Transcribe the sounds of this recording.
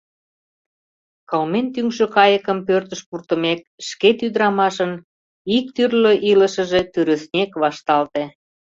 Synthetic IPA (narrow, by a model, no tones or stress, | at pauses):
kɑlment̪yŋʃøkɑjəkəmpørt̪əʃpurt̪əmek̚ | ʃket̪yd̪ɾɑmɑʃən | ik̚t̪yrløʔiləʃə̆ʒe̽t̪yɾə̆snʲekβɑʃt̪ɑlt̪e